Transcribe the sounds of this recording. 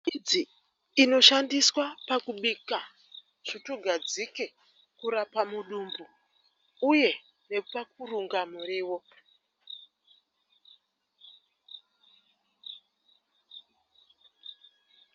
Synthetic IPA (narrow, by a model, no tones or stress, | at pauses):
id͡ziː | no̞ʃandiswapakuɓika | ʐ̥itoɡʱad͡zike̞ | kuɾapamuɗumbu | uje̞ | ne̞pak̚uruŋɡamuriːwo̞